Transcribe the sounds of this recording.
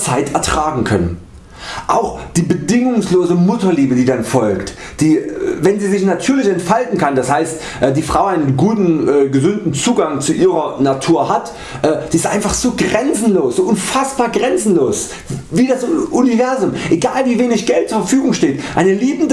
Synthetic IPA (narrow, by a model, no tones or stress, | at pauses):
t͡saɪtʰɛɐtʁ̥aːɡŋ̩kʰœ̰nən | ʔaʊxd̥iːbədɪŋʊŋsloːzəmʊtɐliːbədiːdanfɔlkt | d̥iːvɛnziːzɪçnatʰyːɐlɪçɛntfaltn̩kʰandashaɪst | ʔɛːdiːfʁ̥aʊaɪnənɡuːtn̩ɛːɡəzʏntn̩t͡suːɡaŋt͡suʔiːʁɐnatʰuːɐɦat | ʔɛːd̥iːɪstʔaɪnfaχz̥oːɡʁɛnt͡sn̩loːsz̥oːʔʊnfasb̥aːɐɡʁɛnt͡sn̩loːs | viːdasʔʊnivɛɐzʊmʔeɡaːlviːveːnɪçɡ̥ɛlt̚t͡suːɐfɐfyːɡʊŋʃteːtʔaɪnəliːbn̩də